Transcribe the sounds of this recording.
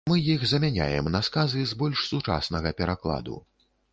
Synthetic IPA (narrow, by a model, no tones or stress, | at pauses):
mɨjixzɐmʲanʲa̰jɛ̰mnɐskazɨzbɔlʲʂsut͡ʂa̰snɐɣɐpʲɛɾaklˠa̰d̪ṵ